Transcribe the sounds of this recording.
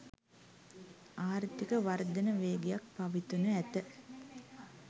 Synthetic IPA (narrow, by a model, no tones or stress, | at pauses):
aːɾt̪ikəʋaɾd̪ənəʋeːɡejak̚paʋit̪unəæt̪ə